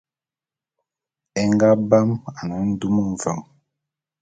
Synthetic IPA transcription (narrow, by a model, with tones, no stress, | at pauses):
ɛ˦ŋɡa˦ba˦ma˨na˨˦n̩˦du˦mu˦ɱ˨va˨m